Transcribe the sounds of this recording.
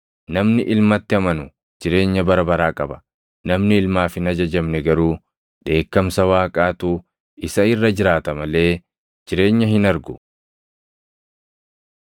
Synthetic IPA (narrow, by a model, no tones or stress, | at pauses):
nɐmnɪʔɪlmɐt̪ːɪɐmɐnʊ | d͡ʒɪɾe̞ːɲːɐbɐɾɐbɐɾaːkʼɐbɐ̥ | nɐmnɪɪlmaːfɪnɐd͡ʒɐd͡ʒɐmnɛɡɐɾuː | d̪e̞ːkːɐmsɐwaːkʼaːt̪u | ɪsɐɪrːɐd͡ʒɪɾaːt̪ɐmɐle̞ː | d͡ʒɪɾe̞ːɲːɐɦɪnɐɾɡʊ